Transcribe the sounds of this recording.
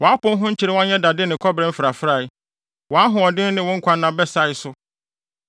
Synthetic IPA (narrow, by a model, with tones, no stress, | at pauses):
wɔ̃˨a˦pʊ̃˦n˦ɦʊ̃˦ɲ̩˦t͡ɕʰɪ˨ɾɪ˦wã˦ɲɛ̃˦da˨dɪ˦nɪ̃˨kʰɔ˦bɾɛ̃˦m̩˦fɪ˨ɾa˨fɾa˨ɪ˦ | wɔ̃˨a˦ɦʊ̃˨ɔ˨dɪ˦nɪ̃˨wɔ̃˦ŋ̩˦kʰʷã˦nːã˨bɛ˦sa˦˨ɪ˨˦sʊ˦